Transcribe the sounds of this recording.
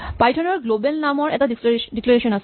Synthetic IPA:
pajtʰɔnɔɹɡlobelnamɔɹɛ̰tadidiklaɹeʃɔnas

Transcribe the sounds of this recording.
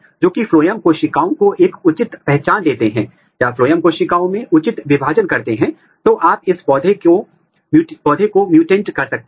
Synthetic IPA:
d͡ʒoːkifloːjəmkoːʃɪkaːõkoʔeːkʊt͡ʃɪt̪pɛɦt͡ʃaːnd̪eːt̪eɦɛ̃ː | jafloːjəmkoːʃɪkaːõmẽʔʊt͡ʃɪt̪ʋɪbʱaːd͡ʒənkɐɾt̪eɦɛ̃ː | t̪oʔaːpɪspɔːd̪ʱeko | pɔːd̪ʱekomjuːʈẽːɳʈkɐɾsɐk̚t̪

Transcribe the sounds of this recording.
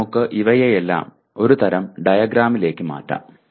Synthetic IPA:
ukːɨʔiʋɐjejelːa̰ːm | o̞ɾut̪ɐɾɐmɖɐjɐɡɾaːmile̞ːkʲːɨma̰ːtːa̰ːm

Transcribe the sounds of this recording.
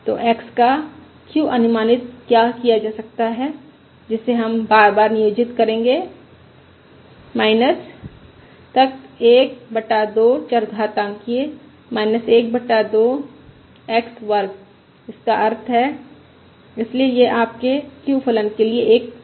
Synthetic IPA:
t̪o̰ːʔɛːkska | kjũʔɐnʊmaːnɪt̪̚kjakijad͡ʒaːsɐk̚t̪aɦɛ | d͡ʒɪsːeɦɐmbaːɾbaːɾnɪjoːd͡ʒɪt̪kɐɾẽːŋ̆ɡe | maːɪnəs | t̪ɐk̚eːk̚bɐʈːad̪oːt͡ʃɐɾɡ̪ʱat̪ãːŋkie | maːɪnəseːk̚bɐʈːad̪oː | ɛːksʋɐɾɡ | ɪskaʔɐɾt̪ʰɦɛː | ɪsliejeʔaːp̚kekjũpʰələnkelieːk̚

